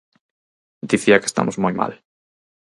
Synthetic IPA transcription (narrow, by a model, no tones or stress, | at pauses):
d̪iθiɐke̥st̪a̰mʔʊzmojma̰l